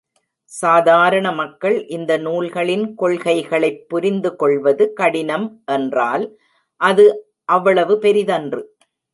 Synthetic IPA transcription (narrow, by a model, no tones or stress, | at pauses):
saːðaːɾɐɳɐmɐkːɐɭʔɪnd̪ɐnuːlɣɐɭɪnkɔɭɣɐɪɣɐɭɐɪpːʊɾɪnd̪ɯkɔɭʋɐðɯkɐɽɪnɐmʔɛndraːl | ʔɐðɯ | ʔɐʋːɐɭɐʋɯpɛɾɪðɐndrɯ